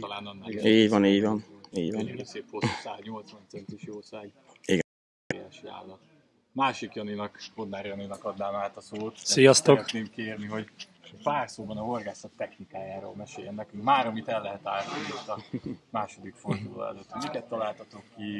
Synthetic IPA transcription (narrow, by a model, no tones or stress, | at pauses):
t̪laːnɒnːaiːɟʋɒniːɟʋɒniːɟʋɒnseːphosaːzɲo̞lt̪sʋɒnt̪sɛnt̪iʃjoːsaːj | iɡn | oɾja̰ːʃa̰ːlːɒ | maːʃikjɒninɒkkod̪naːɾjɒninɒkɒd̪naːmaːt̪ɒsoːt̪sijɒst̪oɾɛtneːmkeːrniɦo̞ɟ | paːrsoːbɒnɒɦo̞rɡaːsɒt̪ːɛxnikaːjaːɾo̰ːlmɛʃeːjɛnːɛkyŋkmaːɾɒmit̪ɛlːɛɦɛt̪aːlt̪iit̪ːɒmaːʃo̞d̪ikford̪ulɒ̰ɛ̰løt̪homikɛt̪ːɒlaːlt̪ɒt̪o̞kːi